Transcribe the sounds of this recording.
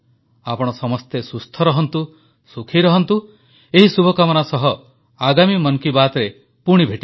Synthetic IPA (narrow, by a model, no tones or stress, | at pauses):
apɔɽ̃ɔsɔmɔst̪esust̪ʰɔɾɔɦɔnt̪u | sukʰiɾɔɦɔnt̪u | eɦisubʱɔkamɔnasɔɦɔ | aɡamimɔnkibat̪ɔɾe | puɽ̃ibʱeʈi